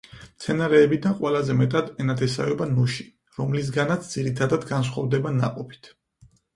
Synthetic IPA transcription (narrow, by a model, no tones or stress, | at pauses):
mt̪sʰɛnaɾɛːbid̪anqʼwɛlazɛmɛt̪ʼad̪ɛnat̪ʰɛsa̰ɔbanuʃi̥ | ɾɔmlis̬ɡanat̪sʰd̪ziɾit̪ʰad̪ad̪ɡans̬χwavd̪ɛbana̰qʼɔpʰi̥t̪ʰ